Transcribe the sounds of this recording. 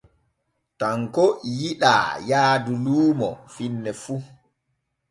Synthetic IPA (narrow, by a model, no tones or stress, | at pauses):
taŋkɔjiɗa̰ːjaːduluːmɔ̰finːɛfu